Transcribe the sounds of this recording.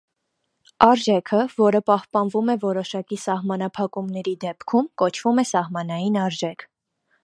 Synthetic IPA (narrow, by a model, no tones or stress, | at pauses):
ɑɾʒɛkʰəvɔɾəpɑhpɑnvumɛvɔɾɔʃɑkisɑhmɑnɑpʰɑkumnɛɾid̪ɛpkʰumkɔt͡ʃʰvumɛsɑhmɑnɑjinɑɾʒɛkʰ